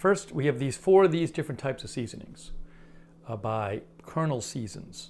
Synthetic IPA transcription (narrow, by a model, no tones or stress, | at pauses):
fɜ˞st̚wiɨvðiz̥fɔɹʌvðizdɪfɹɨ̃ntʰaɪpsʌv̥sizɨ̃nɪ̰̃ŋz̥ | baɪkʰɜ˞nl̩ˠsizɨ̰̃nz̥